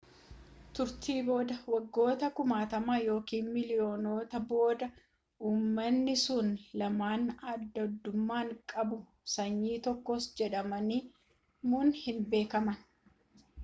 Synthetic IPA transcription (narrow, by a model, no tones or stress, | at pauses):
t̪ʊɾt̪iːbo̞ːd̪ɐwɐɡːo̞ːt̪ɐkʊmaːt̪ɐmaːjo̞ːkiːnmɪlɪjo̞ːno̞ːt̪ɐbo̞ːd̪ɐ | ʔuːmːɐnːɪsʊnlɐmaːnɐd̪ːɐɔd̪ːʊmːaːŋkʼɐbʊ | sɐɲːiːt̪ɔkːɔsd͡ʒɛᶑɐmɐniː | muːnhɪnbe̞ːkɐmɐn